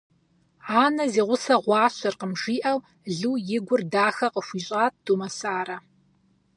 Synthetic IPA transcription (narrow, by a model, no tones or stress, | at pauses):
aːnɐziːʁʷʊsɐʁʷɑːɕɐrqəmʒiːʔɐw | ɮuːjɪɡʷʊrdaːxɐqəʃʷiːɕʼaːt̚d̥umɐsaːɾɐ